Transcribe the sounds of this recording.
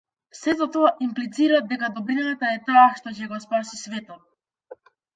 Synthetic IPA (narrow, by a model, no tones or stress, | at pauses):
fsɛzat̪ɔaʔimplit̪siɾad̪d̪ɛkad̪ɔbɾinaat̪aɛt̪aːʃt̪ɔcɛɡɔspasisvɛt̪ɔ